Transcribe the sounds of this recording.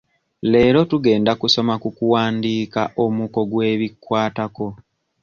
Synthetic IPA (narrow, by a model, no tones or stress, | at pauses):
le̞ːɾo̞tuɡe̞ːndakuso̞makukuwaːndiːkaʔo̞muko̞ɡwe̞ːβikwaːtako̞